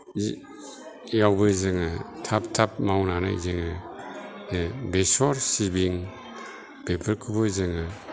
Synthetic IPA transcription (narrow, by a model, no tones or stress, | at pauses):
jawbɯzɯŋɯtʰap̚tʰap̚mawnana̰jzɯŋɯ | besɔɾsibiŋ | b̥epʰɯɾkʰubɯzɯŋɯ